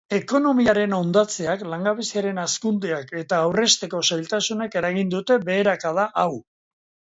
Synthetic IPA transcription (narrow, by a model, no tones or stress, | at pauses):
e̞ko̞no̞miaɾe̞no̞nd̪at͡se̞aklaŋɡaβe̞siaɾe̞naskund̪eake̞t̪aːwre̞st̪e̞ko̞sajlt̪asune̞ke̞ɾaɣ̞ind̪ut̪e̞be̞ːɾakaðaʔaw